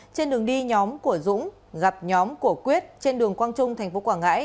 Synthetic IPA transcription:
t͡ɕe˧nɗɨ˨˩əŋɗi˧ɲɔ˨˦mku˧˩əzʊ̰˧˥ŋ͡m | ɣa˨˩p̚ɲɔ˨˦mku˧˩əkwi˦˥ət̚t͡ɕe˧nɗɨ˨˩əŋkwaː˧nt͡ɕʊ˧ŋ͡mt̪ʰɛ˨˩jŋ̟fo˨˦kwaː˧˩ŋɣa̰ː˧˥j

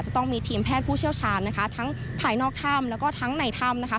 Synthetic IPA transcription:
t̚t͡ɕa˨˩t̪ɔ˥˩ŋmiː˧t̪ʰiː˧mpʰɛː˥˩t̪̚pʰuː˥˩t͡ɕʰi˥˩əwt͡ɕʰaː˧nːa˦˥kʰa˦˥t̪ʰa˦˥ŋ | pʰaː˧˩jnɔː˥˩k̚t̪ʰa˥˩mlɛ˦˥wkɔː˥˩t̪ʰa˦˥ŋna˧jt̪ʰa˥˩mna˦˥kʰa˦˥

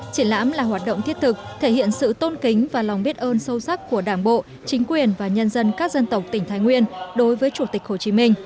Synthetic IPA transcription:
t͡ɕi˧˩nla̰ː˧˥mlaː˨˩ɦwaː˨˩t̚ɗo̰˧˨ŋ͡mt̪i˦˥ət̪ʰɨ˨˩k̚t̪ʰe˧˩hḭ˧˨ənsɨ̰˧˨t̪o˧nki˨˦ŋ̟vaː˨˩lwŋ͡mɓi˦˥ət̚ʔəː˧nsə˧wsa˦˥k̚ku˧˩əɗaː˧˩nɓo̰˧˨ | t͡ɕï˨˦ŋ̟kwi˨˩ənvaː˨˩ɲə˧nzə˧nkaː˦˥k̚zə˧nt̪ə˨˩wk͡p̚t̪ï˩ŋ̟t̪ʰaː˨˦jŋwi˧ənɗo˨˦jvəː˨˦jt͡ɕu˧˩t̪ï˨˩k̟̚ho˧˩t͡ɕi˨˦mï˧ŋ̟

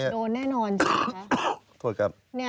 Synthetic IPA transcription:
i˦˥˩oː˧nːɛː˥˩nɔː˧nt͡ɕ | t̪ʰu˧˦əka˦˩p̚na˦˥

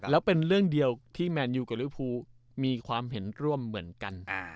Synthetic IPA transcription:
lɛː˦˥wpe˧nɾɯ˥˩əŋdi˧əwt̪ʰiː˥˩mɛː˧njuː˧˩ka˨˩li˦˥pʰuː˧ | miː˧kʰwaː˧mɦe˩˦nɾu˥˩əmːɯ˩˦ənka˧n˧

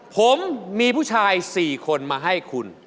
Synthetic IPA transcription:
pʰo˩˦mːiː˧pʰu˥˩t͡ɕʰaː˧jsiː˨˩kʰo˧nmaː˧ɦa˥˩jkʰu˧n

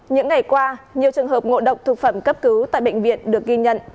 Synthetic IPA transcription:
ɲɨ̰˧˥ŋːa˨˩jkwaː˧ɲi˨˩əwt͡ɕɨ˨˩əŋɦəː˨˩p̚ŋo̰˧˨ɗə˨˩wk͡p̚t̪ʰɨ˨˩k̚fə˧˩mkə˦˥p̚kɨ˨˦wt̪a̰ː˧˨jɓə̰˧˨ŋ̟vḭ˧˨ənɗɨ˨˩ək̚ɣi˧ɲə̰˧˨n

